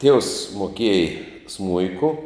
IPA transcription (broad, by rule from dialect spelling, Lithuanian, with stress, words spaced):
tʲiɛws moːˈkʲiɛj ˈsmʊɪkʊ